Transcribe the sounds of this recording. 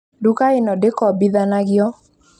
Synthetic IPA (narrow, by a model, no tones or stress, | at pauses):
dukaɪnɔdɪkɔbiðanaɡjɔ